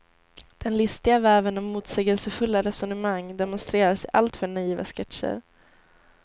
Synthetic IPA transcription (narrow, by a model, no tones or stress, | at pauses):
d̪̥ɛnlɪst̪ɪɡavæːvənɔmːuːt̪sɛːɡəlsəfɵlːaɾɛsɔnəmaŋd̪ɛmɔnst̪ɾeːɾaʂɛjʔalt̪fœɳaiːva̰skɛt̪ʂə̰ɾ